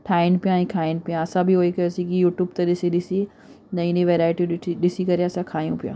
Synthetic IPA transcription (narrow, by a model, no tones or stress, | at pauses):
ʈʰaːɪnpijãĩːkʰaːɪnɪ̆pijãɐsãbʱiɦoːikɐsĩkijuːʈjuːbt̪ɐɗɪsiɗɪsi | nɐĩnĩʋeːɾaːɪʈiɗɪsikɐɾeɐsãkʰaːjũpijã̰ː